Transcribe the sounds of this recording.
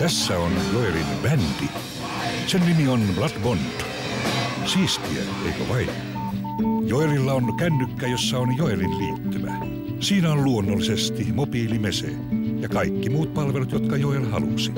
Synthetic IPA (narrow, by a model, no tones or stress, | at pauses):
t̪æsːæonjoerinʋænt̪i | sennimionblɑt̪bont̪ | siːst̪iḛ | ḛikæ̰ʋɑin | joerilːɑonkænːykːæjosːɑonjoerinliːt̪ːyʋæ̰ | siːnæolluonːolːisest̪imopiːlimesḛ | jɑkɑikːimuːt̪̚pɑlʋelut̪jot̪kɑjoelhɑ̰lṵsi̥